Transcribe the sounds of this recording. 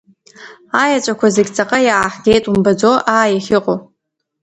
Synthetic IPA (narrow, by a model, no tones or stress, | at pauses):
ajat͡ʃʷʼakʷʰazeɡʲt͡sʼaqʼajaːħɡʲejtʼumbad͡zoʔaːjaχʲɪqʼo